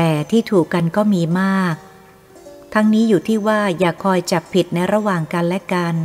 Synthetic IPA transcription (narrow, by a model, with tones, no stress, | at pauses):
t̪ɛː˨˩t̪ʰiː˥˩t̪ʰuː˨˩kːa˧nkɔː˥˩miː˧maː˥˩k̚ | t̪ʰa˦˥ŋniː˦˥juː˨˩t̪ʰiː˥˩waː˥˩jaː˨˩kʰːɔː˧jt͡ɕa˨˩pʰːi˨˩t̪̚na˧jɾa˧waː˨˩ŋka˧nlɛ˦˥ka˧n